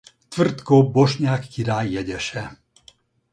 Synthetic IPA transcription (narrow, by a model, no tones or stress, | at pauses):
t̪frt̪kobːoʃɲaːkːiɾaːjɛɟɛʃɛ